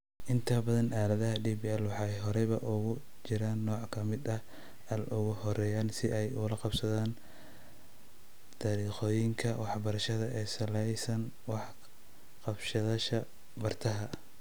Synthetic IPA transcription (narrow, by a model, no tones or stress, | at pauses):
ʔɪnt̪ʰɐbɐðɐnʔaːlɐðɐɦɐɖiːbiɛlwɑħɑɛjɦɔɾɛβɐʔʊɣʊ | t͡ʃɪɾaːnːɔːʕkʰɐmɪd̪ɐ | ʔɐlʔʊɣʊhɔɾɛːjaːnsɪʔɛjʊlɐqɑbsɐðaːn | t̪ʰaːɾiːqɔːjɪŋkʰɐwɑħbɐɾɐʃɐðɐʔɛːsɐlɛjsɐn | wɑħ | qɑbʃɐðɐʃɐ | bɐrt̪ʰɐɦɐ